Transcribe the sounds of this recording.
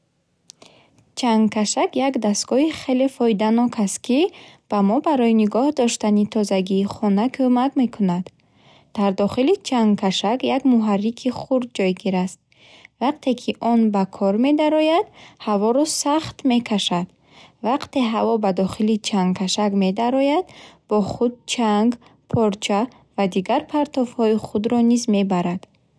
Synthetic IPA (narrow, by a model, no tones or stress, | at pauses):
t͡ʃʰaŋɡkʰaʃakjakd̪ast̪ɡ̥ɔiχe̞le̞fɔjd̪anɔkʰast̪kʰib̥amɔbaɾɔjiniɡɔhd̪ɔʃt̪anit̪ʰɔzaɡiːχɔnakʰomakme̞kʰunad̪ | d̪̥aɾd̪ɔχilit͡ʃʰaŋkʰaʃakjaɡmuɦarːikʰiχuɾd̪̚d͡ʒɔjɡiɾast̪̚ | vaq̚t̪ʰe̞kʰiʔɔnbakʰɔɾme̞d̪aɾɔjad̪havɔɾɔsaχt̪me̞kʰaʃad̪̥ | vaqt̪e̞ɦavɔbad̪ɔχilit͡ʃʰaŋɡkʰaʃaɡme̞d̪aɾɔjad̪b̥ɔχud̪̚t͡ʃʰaŋɡ | pʰɔɾt͡ʃʰa | vad̪iɡaɾpʰaɾt̪ɔfhɔiχud̪ɾɔnizme̞baɾad̪̥